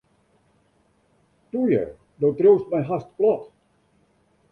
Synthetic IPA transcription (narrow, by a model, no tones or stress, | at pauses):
tujə̰ | dowtrowstmɛjɦast̚plɔt